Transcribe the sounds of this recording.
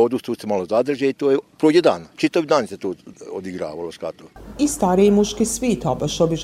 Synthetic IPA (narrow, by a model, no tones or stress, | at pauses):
od̪ust̪uːsemalozad̪r̩ʒeit̪oːjepɾoːded̪aːnat͡ʃit̪aʋid̪aːnset̪oːod̪iɡɾa̰ːʋaloʃka̰t̪oist̪aɾiimuʃkisʋiːt̪obaʃobiʒ